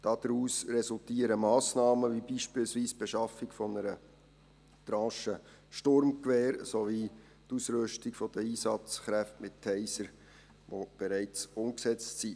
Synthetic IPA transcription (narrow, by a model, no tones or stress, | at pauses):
d̥ɑd̥̪əɾuːsrɛsʊltiːəɾəmɑːsnɑːməʋibiʃpɪːlsviːsb̥ɛʃɑfɪkfɔnəɾə | t̪ɾɑ̃ːʃə | ʃtʊɾmkʋɛːɾsovi | tusɾʏʃtɪkfɔd̥əiːsɑt͡sχɾæftmɪt̚tʰːɛɪsəɾ | ʋob̥ɛɾæɪt͡sʊmksɛt͡ssi